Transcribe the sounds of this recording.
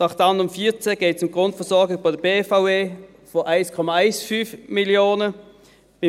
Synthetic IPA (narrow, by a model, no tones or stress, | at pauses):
nɑχtɑndʊmfiːɐt͡səɡ̥eːtsʊmɡ̥ʁʊntfəɐsɔɐɡɪbaɪdəbeːfaʊeː | foʔaɪskʰɔmaaɪsfyːfmiljoːnə | mɪ